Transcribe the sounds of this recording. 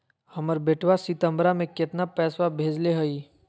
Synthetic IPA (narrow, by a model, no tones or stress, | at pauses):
hɐməɾbeːʈʰwasit̪ə̃mbɾamẽkɪt̪napɛːswabʱeːd͡ʒleɦəi